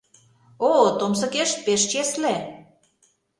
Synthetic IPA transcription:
ot̪oms̬ɤ̆keʃpeʃt͡ɕesle

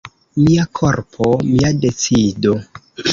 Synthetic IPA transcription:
miakʰoɾpʰomiade̞t͡sido

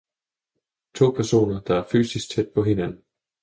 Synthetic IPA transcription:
t͡sʰo̝̰ːpʰæɐso̝̰ːnɐd̥ɑ̈æɐfy̰ːsisɡ̥̚t͡sʰed̥̚pʰɒ̽ɦe̝nænn̩

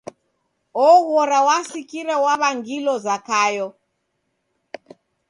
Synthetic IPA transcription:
ɔɣɔɾawasikiɾɛwaβaŋɡilɔzakajɔ

